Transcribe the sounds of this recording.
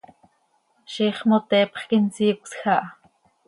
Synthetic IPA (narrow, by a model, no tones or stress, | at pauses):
ʃiχmot̪ɛːpχkint͡siːksxaʔ